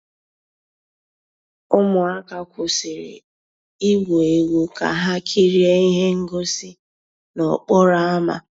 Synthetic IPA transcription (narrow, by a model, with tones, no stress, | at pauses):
ʊ˦mʊ˨a˦ka˦kʷʰʊ˨sɪ˨ɾḛ˨ | i˦wo˨e˨wu˨ka̰˨ɦa˦kʰi˦ɾi˦e˦i˦ɦe˦ŋ̩˦ɡo˦sɪ˦ | nɔ˨k͡pɔ˦ɾa˦a˦ma̰˨